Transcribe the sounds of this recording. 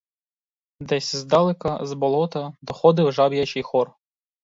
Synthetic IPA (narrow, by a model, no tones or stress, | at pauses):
d̪ɛsʲzd̪ɑlˠɪkɐzbɔlˠɔt̪ɐd̪ɔxɔd̪ɪwʒɑbjɐt͡ʃɪjxɔr